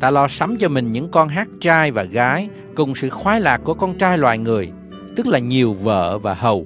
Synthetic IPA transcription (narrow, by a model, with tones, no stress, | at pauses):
t̪aː˧lɔ˧sa˨˦mt͡ɕɔ˧mï˨˩ŋ̟ɲɨ̰˧˥ŋkɔ˧nɦaː˦˥t̚t͡ɕaː˧jvaː˨˩ɣaː˨˦j | kʊ˨˩ŋ͡msɨ̰˧˨xwaː˨˦jlaː˨˩k̚ːu˧˩əkɔ˧nt͡ɕaː˧jlwa̰ː˧˨jŋɨ˨˩əj | t̪ɨ˦˥k̚laː˨˩ɲi˨˩əwvə̰ː˧˨vaː˨˩hə˨˩w